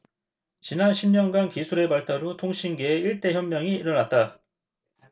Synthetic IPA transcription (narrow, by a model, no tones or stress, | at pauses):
t͡ɕinanɕʰimɲʌnɡankisʰuɾe̞paɭtʰaɾotʰoŋɕʰinɡeːiɭt͈e̞çjʌmmːjʌŋiːɾʌnat̚t͈a